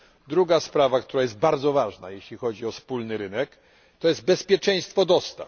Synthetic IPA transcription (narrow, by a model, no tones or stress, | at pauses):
d̪ɾuɡaspɾavakt̪uɾajɛst̪̚baɾd̪zɔvaʐna̰jeɕlʲixɔd͡ʑiɔfspulnɘɾɘnɛk | t̪ɔjɛzd̪̚bɛspʲjɛt͡ʂɛ̃j̃st̪fɔd̪ɔst̪a̰f